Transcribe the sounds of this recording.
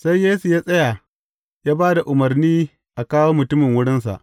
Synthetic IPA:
sa˦jjeː˦su˨jaː˦sʼɐ˦ja˨ | jaː˦baː˦da˨ʔʊ˨mɐ˨rniː˦ | ʔa˨kaː˦woː˦mʊ˨tʊ˦mɪ˨ŋwʊ˦ɽɪ˦ns̬a̰˨ʔ

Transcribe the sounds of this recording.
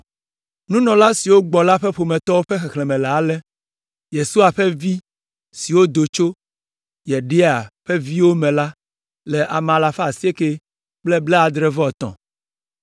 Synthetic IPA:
nũ˦nɔ̃˨la˦si˨wo˦ɡ͡bɔ˨la˦ɸɛ˦ɸo˨mɛ̃˨t̪ɔ˦wo˦ɸɛ˦xɛ˨xlɛ˨mɛ̃˨lɛ˨a˦lɛ˦ | je˨su˦a˨ɸɛ˦vi˦ | si˨wo˦d̪o˨t͡ʃo˦ | jɛ˨ɖe˦a˨ɸe˦vi˦wo˦mɛ̃˨la˦ | lɛ˨ʔa˨m˨ã˨la˨ɸa˨si˦e˦ke˦ | k͡plɛ˦blɛ˦a˨d̪ɾɛ˦vɔ˦˨t̪ɔ̰̃˨

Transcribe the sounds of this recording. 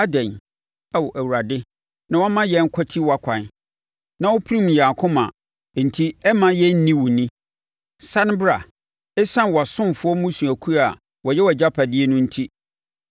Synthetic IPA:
a˦dɛ̃˨n | a˨wʔæ˨wu˨ɾa˨dɪ˦ | nã˨wɔ˦mã˦jɛ˨˦ŋ̩˦kʰɔ˦tʰi˦wa˨kʷʰã˨n | nã˦wʊ˦pʰɾĩ˦m˨aː˨kʰʊ̃˦mã̰˨ | n̩˨tʰi˦ɛ˦mã˦jɛ˦n̩˦nĩ˦wʊ˨nĩ˦ | sã˦ñ˦ba˨ | ɛ˦sã˦n˨wɔ˨a˨sʊ̃˦mfʊ˦ɔ˦mũ˦sũ˨æ˨kʰu˦ɾa˨ | wɔ˨jɛ˦wɔ˨d͡ʑa˦pʰa˨dɪ˦e˦nʊ̃˦n̩˦tʰi˦

